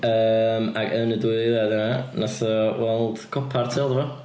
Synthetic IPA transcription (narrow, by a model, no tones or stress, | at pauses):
əːmaɡɛnəduɨðiðɛːðənanasɔwɛlˠd̥kʰɔpʰartʰɪlˠdəvɔ